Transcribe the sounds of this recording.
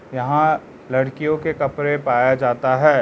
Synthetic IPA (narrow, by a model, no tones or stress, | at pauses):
jɐɦã | lɐɽkijõkekɐpɾepaːjad͡ʒaːt̪aɦɛː